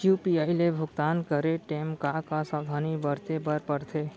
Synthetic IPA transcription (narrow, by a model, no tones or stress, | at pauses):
jupiaːɪlebʱʊɡt̪aːnkəɾeʈeːmkakasaːd̪ʱaːnibəɾt̪ebəɾpəɽt̪ʰeː